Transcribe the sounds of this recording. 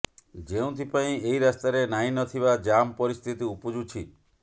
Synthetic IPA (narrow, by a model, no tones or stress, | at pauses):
d͡ʒeũt̪ʰipaĩeiɾast̪aɾenaĩnɔt̪ʰiβad͡ʒampɔɾist̪ʰit̪iupɔd͡ʒut͡ʃʰi